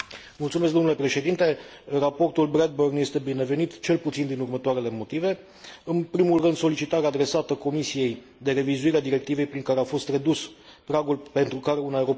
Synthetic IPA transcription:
mult̪sumeskd̪omnule̞pɾe̞ʃe̞d̪int̪e̞ | rapo̞rt̪ulbɾed̪̚bərnje̞st̪e̞bine̞ve̞nit̪t͡ʃe̞lput̪sind̪inurmət̪oaɾele̞mo̞t̪ive̞ | ɨnpɾimulrɨnd̪so̞lit͡ʃit̪aɾead̪ɾe̞sat̪əko̞misije̞j | d̪e̞ɾe̞vizuiɾead̪iɾe̞k̚t̪ive̞jpɾiŋkaɾeafo̞st̪re̞d̪uspɾaɡulpe̞nt̪ɾukaɾe̞unaeɾo

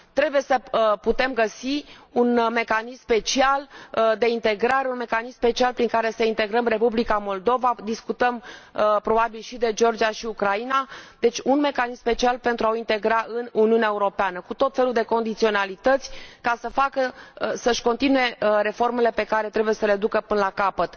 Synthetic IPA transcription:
t̪ɾe̞buje̞səput̪e̞mɡəsiunme̞kanisspe̞t͡ʃiald̪e̞int̪e̞ɡɾaɾe̞unme̞kanisspe̞t͡ʃialpɾiŋkaɾe̞səint̪e̞ɡɾəmre̞publikamo̞ld̪o̞vad̪iskut̪əmpɾo̞babilʃid̪e̞d͡ʒo̞rd͡ʒiaʃiukɾainad̪e̞t͡ʃʲunme̞kanismpe̞t͡ʃialpe̞nt̪ɾuaoint̪e̞ɡɾaʔɨnuniuneaeuɾo̞peanəkut̪o̞t̪fe̞luld̪e̞ko̞nd̪it̪sio̞nalit̪ət̪sʲkasəfakəsəʃko̞nt̪inuje̞re̞fo̞rme̞le̞pe̞kaɾe̞t̪ɾe̞buje̞səle̞d̪ukəpɨnəlakapət̪

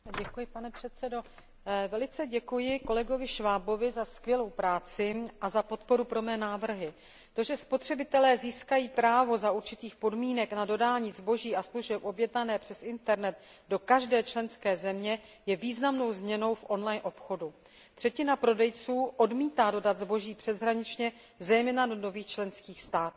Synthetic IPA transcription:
ɟɛkujɪpanɛpr̝̥ɛt̪sɛdo̞ | vɛlɪt͡sɛɟɛkujɪko̞lɛɡo̞vɪʃvaːbo̞vɪzaskvʲjɛlo̞wpɾaːt͡sɪʔazapo̞t̪po̞ɾupɾo̞mɛːnaːvr̩ɦɪ | t̪o̞ʒɛspo̞t̪r̝̥ɛbɪt̪ɛlɛːziːskajiːpɾaːvo̞zauɾt͡ʃɪt̪iːxpo̞dmiːnɛknado̞daːɲiːzbo̞ʒiːʔasluʒɛpʔo̞bjɛdnanɛːpr̝̥ɛsɪnt̪ɛɾnɛt̪ | do̞kaʒdɛːt͡ʃlɛnskɛːzɛmɲɛ | jɛviːznamno̞wzmɲɛno̞wfʔo̞nlajnʔo̞pxo̞du | t̪r̝̥ɛcɪnapɾo̞dɛjt͡suːʔo̞dmiːt̪aːdo̞dat̪zbo̞ʒiːpr̝̥ɛzɦɾaɲɪt͡ʃɲɛ | zɛjmɛːnadono̞viːxt͡ʃlɛnskiːxst̪aːt̪u

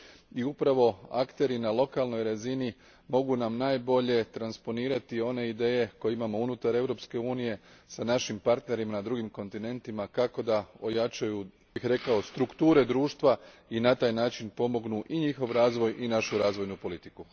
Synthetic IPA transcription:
iupɾaʋo̞a̰kt̪e̞ɾinalo̞kalˠno̞jɾazini | mo̞ɡunamnaːjbo̞ʎe̞t̪ɾanspo̞niːɾat̪io̞ne̞id̪e̞ːje̞ko̞jeimamo̞unut̪aɾe̞wɾo̞pske̞uːnije̞sanaʃimpaɾt̪ne̞ɾimanad̪ɾuɡimko̞nt̪ine̞nt̪imakako̞d̪ao̞jat͡ʃaju | bixɾe̞kao̞st̪ɾukt̪uːɾe̞d̪ɾuːʃt̪ʋa | inat̪aːjnaːt͡ʃinpo̞mo̞ɡnuʔiɲixo̞ʋɾaːzʋo̞jʔinaʃuɾaːzʋo̞jnupo̞lit̪iku

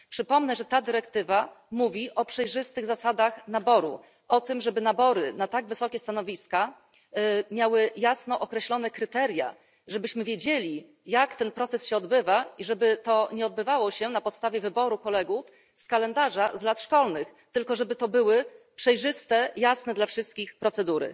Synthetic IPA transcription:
pʂɘpɔmnɛʐɛt̪ad̪ɘɾɛkt̪ɘva | muvʲiʔɔpʂɛjʐɘst̪ɘɣzasad̪axnabɔɾṵ | ɔt̪ɘmʐɛbɘnabɔɾɘnat̪aɡvɘsɔkʲɛst̪anɔvʲiska | mʲjawɘjasnɔʔɔkɾɛɕlɔn̪ɛkɾɘt̪ɛɾʲja̰ | ʐɛbɘɕmɘvʲjed͡ʑelʲi | jakt̪ɛnpɾɔt̪sɛsɕɛɔd̪bɘvaiʐɛbɘt̪ɔɲɛɔd̪̚bɘvawɔɕɛnapɔt̪st̪avʲjɛvɘbɔɾukɔlɛɡuf | skalɛnd̪aʐazlat̪ʂkɔlnɘx | t̪ɘlkɔʐɛbɘt̪ɔbɘwɘpʂɛjʐɘst̪ɛjasnɛd̪lafʂɘst̪̚kʲixpɾɔt̪sɛd̪uɾɘ̰

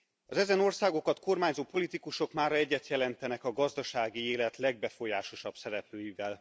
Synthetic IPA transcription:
ɒzɛzɛno̞rsaːɡo̞kɒt̪ko̞rmaːɲzoːpo̞lit̪ikuʃo̞kmaːɾɒɛɟːɛt̪jɛlɛnt̪ɛnɛkɒɡɒzd̪ɒʃaːɡieːlɛt̪lɛɡ̚bɛfo̞jaːʃo̞ʃɒb̥sɛɾɛpløːjivɛl

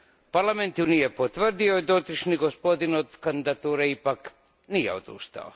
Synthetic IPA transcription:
paɾlˠament̪unijepot̪ʋr̩d̪iojed̪ot̪ɾiʃniɡospo̞d̪inod̪kand̪id̪at̪uːɾeipak | nijeod̪ṵst̪a̰o

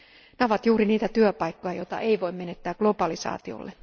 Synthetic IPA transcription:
neoʋɑt̪juːɾiniːt̪æt̪yøpɑjkːo̞jɑjo̞jt̪ɑ̰ʔe̞iʋojmːme̞net̪ːæːɡ̥lo̞bɑlisɑ̰ːt̪io̰lːe

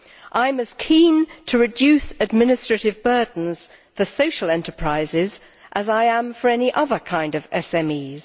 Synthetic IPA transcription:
ʔãɪə̃mɨz̥kʰĩːntʰəɹɨdʉˑsɨd̚mɪ̃nɨstɹ̥ɨtɪvbɜ˞dⁿn̩z̥ | fəsoʊʃəlˠɛ̃ntʰəpʰɹ̥aɪzɪz | ʔəzaɪə̃mɱfə˞ɛniʔʌðə˞kʰãɪ̃ndʌvɛsɛ̃miːz̥

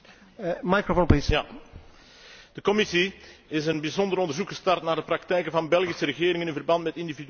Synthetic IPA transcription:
majkɾofonpis | d̥əkɔmɪsiɪsənbizɔndəɾɔndərzukxəstɑrtnaːrdəprɑk̚tɛjkənvɑnbɛlˠɣisəɾəɣɪːɾɪŋənɪnvərbɑntmɛtɪndivid

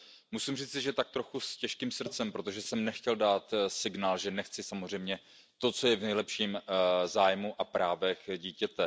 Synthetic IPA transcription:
musimr̝iːt͡sɪʒɛt̪ak̚t̪ɾo̞xuscɛʃkiːmsr̩t̪t͡sɛmpɾo̞t̪o̞ʒɛsɛmnɛxcɛldaːt̪sɪɡnaːlʒɛnɛxt͡sɪsamozr̝ɛjmɲɛ | t̪o̞t͡so̞jɛvnɛjlɛpʃiːmzaːjmuʔapɾaːvɛxɟiːcɛt̪ɛ

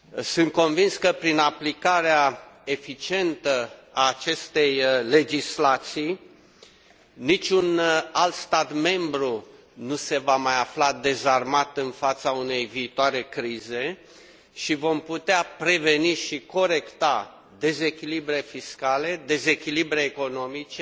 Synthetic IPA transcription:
sɨnt̪̚ko̞nvinskəpɾinaplikaɾeae̞fit͡ʃie̞nt̪əaːt͡ʃe̞st̪e̞jle̞d͡ʒislat̪sij | nit͡ʃʲunalt̪st̪at̪me̞mbɾu | nuse̞vamajaflad̪e̞zarmat̪ɨnfat̪saune̞jviːt̪oaɾe̞kɾize̞ | ʃivo̞mput̪eapɾe̞ve̞niʃiko̞ɾe̞kt̪a | d̪e̞ze̞kʲilibɾe̞fiskale̞d̪e̞ze̞kʲilibɾe̞ːko̞no̞mit͡ʃe

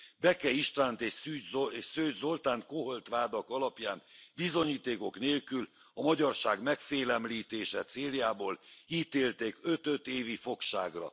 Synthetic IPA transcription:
bɛkɛiʃt̪vaːnt̪eːʃsyːsøːʒzo̞lt̪aːnt̪ko̞ɦolt̪ʋaːd̪ɒkɒlɒpjaːnbizo̞ɲiːt̪eːko̞kneːlkyl | ɒmɒɟɒrʃaːɡmɛkfeːlɛmliːt̪eːʃɛt̪seːljaːboːliːt̪eːlt̪eːkø̞t̪øt̪eːvifo̞kʃa̰ːɡrɒ̰

